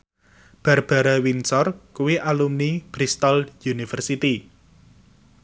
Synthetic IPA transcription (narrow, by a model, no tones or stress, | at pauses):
b̥a̤rb̥a̤ɾawinsɔrkuwiʔalumnib̥ɾist̪ɔljunifərsit̪i